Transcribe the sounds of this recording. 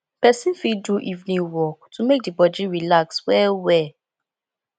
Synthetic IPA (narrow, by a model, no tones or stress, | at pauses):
pɛsĩnfiduʔivnĩwɔk̚tʰumek̚dibɔd͡ʒĩɹilakswɛwɛ